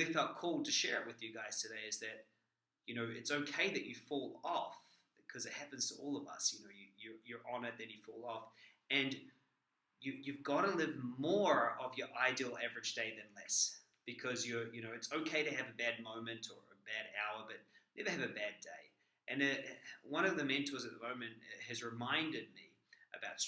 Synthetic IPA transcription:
ifɛlˠt̚kʰɔlˠd̚tʰɨʃɛɹɨʔ̚wɨðjɨɡaɪz̥tʰɨdeɪɨzðɨt̚ | jɨñoʊɨtsoʊkʰeɪðɨt͡ʃɨfɔlˠɔf | kʰʌzɨt̚hæpɨ̃n̩z̥tʰəɔlˠʌvʌ̰sjɨnoʊjɨjə˞jə˞ʔɑnɨðɨ̃njɨfɔlˠɔf | ɨ̃n | jɨjʉvɡɑɾəlɪvmɔɹʌvjə˞ʔaɪdil̩ˠævɹɨd͡ʒdeɪðɨ̃nlɛs | b̥ɨkʰʌzjə˞jɨñoʊɨtsoʊkʰeɪɾɨɨvɨbæd̚mõʊ̃mɨ̃ntʰə̰˞ɨ̰bæɾa̰ʊə˞bʌt̚nɛðɨɨvɨbædeɪ | ʔɨ̃nɨwʌ̃ñʌvðɨmɛ̃ntʰozɨt̪̚ðəmõʊ̃mɨ̃nt̚ɨzɹɨmãɪ̃ndɨd̚mi | ʔɨbaʊts

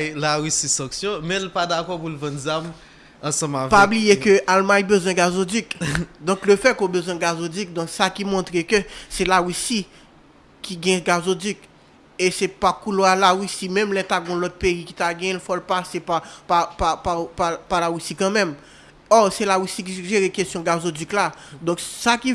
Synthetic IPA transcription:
laɣysisɐ̃ksjɔ̃mɛ̃lpad̪akɔpulvɐ̃nzam | ɐ̃sɐ̃mavpaɛblijekøʔalmãjbøzwɛ̃ɡazodykd̪ɔ̃kløfɛkobøzwɛ̃ɡazodyk̚d̪ɔ̃ksakimɔ̃t̪ʁekøsɛlaɣysi | kʰiɡɛ̃ɡazodyk | esɛpakuloalaʁysimɛ̃mlɛt̪aɡɔ̃lɔt̪̚peiki̥t̪aɡɛ̃jɛ̃lfɔlpasepapapapapapalaɣysikɐ̃mɛ̃m | ɔsɛlaɣysik̬iʒeɣekestjɔ̃ɡazodyklad̪ɔ̃ksaki

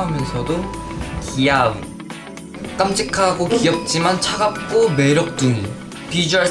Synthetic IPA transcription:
ɦamjʌnsʰʌdokijaṵ | k͈amt͡ɕʰikʰaɡokijʌk̚t͡ɕ͈imant͡ɕʰaɡap̚k͈ome̞ɾjʌk̚t͈uŋi | pid͡ʑa

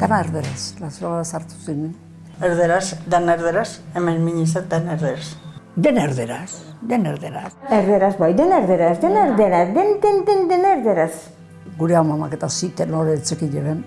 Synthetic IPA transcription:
d̪̥anaeɾðeɾaslaseɾaβaɾasaɾt̪u̥sinin | eɾðeɾasd̪anaeɾðeɾasemenmiɲis̬ad̪aneɾðeɾasd̪eneɾðeɾasd̪eneɾðeɾaseɾðeɾazbajd̪eneɾðeɾasd̪eneɾðeɾasd̪end̪end̪end̪eneɾðeɾas | ɡuɾeawmamaket̪asit̪enoðeːt͡sekiɲeβen

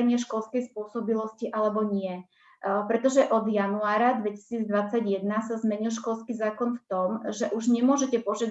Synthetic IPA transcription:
ɲɪɛʃkɔlskɛjspʊɔsɔbilɔsciʔalɛbɔɲɪɛ | pɾɛt̪ɔʒɛʔɔd̪januaːɾad̪ʋɛci̥siːd͡zd̪ʋat͡saɟjɛd̪nasazmɛɲilˠʃ̬kɔlskiːzaːkɔnft̪ɔmʒɛʔuʒɲɛmʊɔʒɛcɛpɔʒad̪

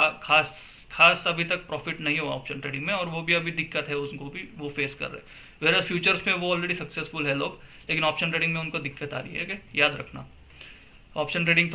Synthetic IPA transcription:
kaːs | xʰaːsɐbʱit̪ɐk̚pɾɔːfɪʈnɐɦĩɦoɔ̰ːpʃənʈɾeːɖɪ̃ŋɡmẽɔːɾʋobʱiɐbʱid̪ɪkːət̪ɦɛʊskobʱiʋofeːskɐ̰ɾːɐ̰ɦɛ | ʋeːɾəsfʰjuːt͡ʃəɾsmẽʋoɔːlɾeːɖisɐksesfʊlɦɛloːɡleːkɪnɔːpʃənʈɾeːɖɪ̃ŋɡmẽʊnkod̪ɪkːət̪a̰ːɾɐiɦɛ̰kejaːd̪ɾɐ̰kʰna̰ː | ɔːpʃənʈɾeːɖɪ̃ŋɡt̪

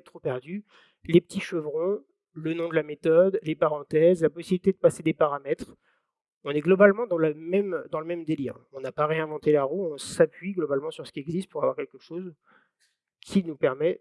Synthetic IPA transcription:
t̪χopɛʁd̪y | lepət̪ʰiʃəvʁɔ̃ | lənɔ̃d̪əlamet̪ɔd̪lepaʁɑ̃t̪ɛzlapɔsibilit̪ed̪əpased̪epaʁamɛt̪χ | ɔ̃nɛɡlɔbalmɑ̃d̪ɑ̃lamɛmd̪ɑ̃ləmɛmd̪elḭːʁɔ̃napaʁeɛ̃vɑ̃t̪elaʁuɔ̃sapɥiɡlɔbalmɑ̃syʁsə̥kʲiɛɡzist̪̚puʁavwaʁkɛlkəʃoz | kʲʰinupɛʁmɛ

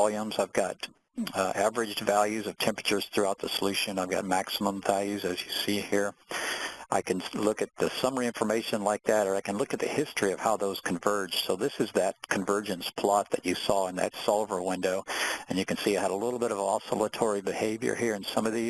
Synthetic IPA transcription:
lˠjũmzaɪvɡɑɾ | ʔævə˞ɨd͡ʒvælˠjʉzʌv̥tʰɛ̃mpɹ̥ət͡ʃə˞z̥θɹʉaʊt̪̚ðəsəlʉʃɨ̃naɪvɡɑ̰t̚mæksəmə̃ɱvælˠjʉzɨzjɨsihiɹ | ʔaɪkʰɨ̃nlʊkɨt̪̚ðɨsʌmə˞iɪ̃ɱfə˞meɪʃɨ̃nlaɪk̚ðɨɾə˞aɪkɨ̃nlʊkɨt̪̚ðɨ̰hɪstɹ̥iʌv̥haʊðoʊz̥kʰɨ̃ɱvɜ˞d̥ʒ̥soʊðɪsɨzðɨt̚kʰɨ̃ɱvɜ˞d͡ʒɨ̃nspʰl̥ɑt̪̚ðɨt͡ʃɨsɔə̃nðɨ̰tsɑlˠvə˞wɪ̃ndoʊɨ̃njɨkɨ̃nsiɨhɨɾəlɪɾl̩ˠbɪɾʌvɑ̰səlˠətʰɔɹibɨheɪvjə̰˞hiɹɨ̃nsʌ̃mʌvði

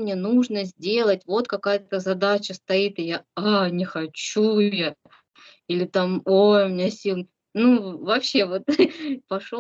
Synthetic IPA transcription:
mnʲe̞nuʐnəzʲdʲe̞lˠət̚ʲvo̞t̪kɐkajət̪əzɐd̪at͡ɕəst̪ɐit̪ɨjaanʲɪxɐt͡ɕuɛt̪ə | ilʲɪt̪amojʊmʲɪnʲasʲilˠnə | nuvɐpɕːe̞vo̞t̪pɐʂ

